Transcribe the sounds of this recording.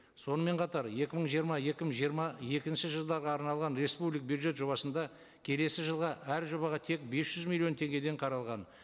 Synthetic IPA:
so̞nəme̞ɴqʰɑt̪ɑɾje̞kʲɪməɴʒijəɾmɑje̞kʲɪməʒmɑje̞kʲɪnʃɪʒəlˠd̪ɑɾʁɑːɾnɑlˠʁɑnɾe̞spublijk̚bjud̪ʒe̞t̪ʒo̞bɑsənd̪ɑ | kʲʰe̞le̞sɪʒəlˠʁɑʔæɾʒo̞bɑʁɑt̪ʰe̞k̚be̞sʒ̥ʏzmilʲːijo̞nt̪ʰe̞ŋɡʲe̞d̪e̞ɴqʰɑɾɑlˠʁɑn

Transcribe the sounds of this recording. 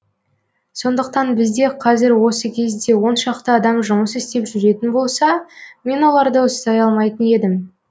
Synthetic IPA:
so̞nd̪əq̚t̪ɑnbɪzd̪e̞qʰɑzɪɾwo̞səkʲʰe̞zd̪e̞wo̞nʃɑqt̪əɑd̪ɑmʒʊməsɪst̪e̞pʒʏɾe̞t̪ɪnbo̞lˠsɑme̞nwo̞lˠɑɾd̪əʊst̪ɑjɑlˠmɑjt̪əne̞d̪ɪm

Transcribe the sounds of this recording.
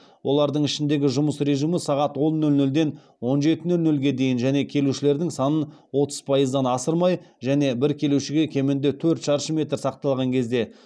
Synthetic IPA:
wʔo̞lˠɑɾd̪əɴɪʃɪnd̪e̞ɡʲɪʒʊməsɾe̞ʒiməsɑʁɑt̪wo̞nːɵlnɵld̪e̞n | wo̞nʒe̞t̪ɪnɵlnɵlɡʲe̞d̪e̞jɪnʒæne̞kʲʰe̞luʃɪle̞ɾd̪ɪŋsɑnənwo̞t̪ə̥z̥pʰɑjəzd̪ɑnɑsəɾmɑjʒæne̞bɪɾkʲʰe̞luʃɪɡʲe̞kʲʰe̞mɪnd̪ɪt̪ʰɵɾt̪ʃɑɾʃəmʲe̞t̪ɾsɑq̚t̪ɑlˠʁɑŋkʲʰe̞zd̪e̞

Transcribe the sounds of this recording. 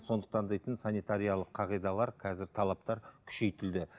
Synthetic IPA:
so̞nd̪ə̥q̚t̪ɑnd̪ejt̪ənsɑnijt̪aɾijalˠəqʰːɑʁijd̪ɑlˠɑɾqʰɑzɪɾt̪ʰɑlˠɑp̚t̪ɑɾkʲʰʏ̥ʃe̞jt̪ɪld̪ɪ

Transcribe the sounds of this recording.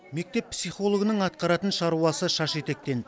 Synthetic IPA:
me̞k̚t̪e̞ppsijχo̞lˠo̞ɡənəɴɑt̪̚qɑɾɑt̪ənʃɑɾuɑsəʃɑʃe̞t̪e̞k̚t̪e̞n

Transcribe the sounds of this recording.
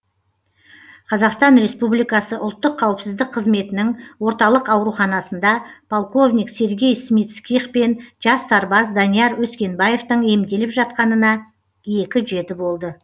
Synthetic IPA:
qʰɑzɑqst̪ɑnɾe̞spublijkɑsəʔʊ̰lˠt̪ːəqʰːɑwəpsɪzd̪ɪk̚qʰːəzme̞t̪ɪnɪŋwo̞ɾt̪ɑlˠəqɑwɾuχɑnɑsənd̪ɑpʰolˠko̞vnʲijkse̞ɾɡʲe̞jsmit̪skʲiχpe̞nʒɑsːɑɾbɑs̬d̪ɑnijɑɾwɵskʲe̞nbaje̞ft̪əɴe̞md̪e̞lɪpʒɑt̪̚qɑnənɑ | je̞kʲɪʒe̞t̪ɪbo̞lˠd̪ə

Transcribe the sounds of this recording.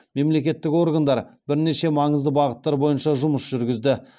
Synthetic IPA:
me̞mle̞kʲe̞t̪ːɪko̞rɡand̪ɑɾbɪɾne̞ʃe̞mɑɴəzd̪əbɑʁət̪ːɑɾbo̞jənʃɑʒʊməsʒ̥ʏɾɡʲɪzd̪ɪ

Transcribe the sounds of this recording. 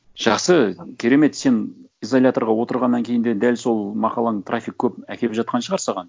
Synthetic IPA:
ʒ̥ɑχsəkʲʰe̞ɾe̞me̞t̪se̞n | ijzo̞lʲat̪oɾʁɑwo̞t̪əɾʁɑnːɑŋkʲʰe̞jɪnd̪e̞d̪ælso̞lˠmɑqɑlˠɑɴt̪ʰrʔafʲik̚kʲʰɵpækʲʰe̞lpʒɑt̪̚qɑnʃəʁɑɾsɑʁɑn

